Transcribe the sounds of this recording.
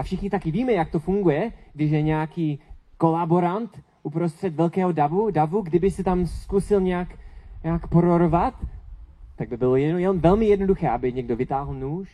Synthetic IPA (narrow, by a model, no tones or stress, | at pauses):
afʃɪxɲɪt̪akɪviːmɛjak̚t̪ofuŋɡujɛɡdɪʃjɛɲɛakiːko̞laboɾant̪ | ʔupɾost̪r̝̥ɛt̪vɛlkɛːɦodavudavuɡdɪbɪsɛt̪amskusɪlɲɛakɲɛakpoɾoɾovat̪ | t̪aɡ̚bɪbɪlojɛjɛmvɛlmɪjɛdnoduxɛːʔabɪɲɛɡdovɪt̪aːɦl̩nuːʃ